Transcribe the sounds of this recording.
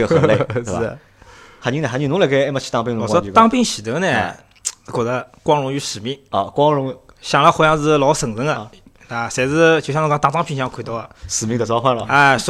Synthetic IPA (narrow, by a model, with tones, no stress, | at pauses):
ɡə˩xə˧˨˩le˥˩˥ | xnt͡ɕi˥n˧˩xnt͡ɕi˨˩nʊ˧˥le˧˩ke˥ɪe˥ma˧˩t͡ɕʰi̥˧˥t̪ɑ˥˧pi˧ŋn̩˧wɔ˨˩ŋʂwɔ˥y˥˧ɑ˥˧ŋpi˥˧ŋɕi˨˩t̪ɤ˧˥nɛ˥˧˥ | kwɔ˨˩d̪ə˦kwɑ˥ŋɻʊ˧˥ŋy˧˥ʂɻ̩˨˩mi˥˩ŋɔ˧˩kwɑ˥ŋɻʊ˧˥ŋ | ɕjɑ˨˩ŋlə˧xwjɑ˥˧t͡sɹ̩˧lɑ˧˥ʊsɤ˨˩ŋt͡sə˧˥ŋə˧ | a˥˧˩sɛ˧˩ɪt͡sɹ̩˧t͡ɕo˨˩ɕjn̩˧˥t̪a˥˩t͡sɑ˥ŋpʰi˧˥˩ɕɑ˧˥˧kʰe˨˩t̪o˥ɐ˧˩ʂɻ̩˨˩mi˥ŋd̪ə˨˩t͡swɑ˥ʊxwa˥˩nlə̰˨˩a˥˧ʂ